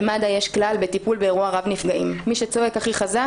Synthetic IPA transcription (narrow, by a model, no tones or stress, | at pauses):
mad̪ajeʃklalbet̪ipulbeːʁuaʁavnifɡaʔimːiʃet͡so̞e̞kaχiχaza